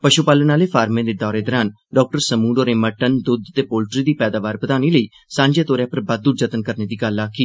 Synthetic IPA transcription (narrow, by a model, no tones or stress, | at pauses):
pəʃupaːlənaːleːpʰaːɾmẽːd̪eːd̪ɔːɾeːd̪ɔːɾaːn | ɖɔːk̚ʈəɾsəmuːɖoːɾeːməʈənd̪ʊd̪t̪eːpoːlʈɾiːd̪iːpɛːd̪aːʋaːɾbət̪aːniːləiː | sãːɲd͡ʒeːt̪oːɾjãːpəɾbəd̪̚d̪uːd͡ʒət̪ənkəɾneːd̪iːɡəlaːkʰiː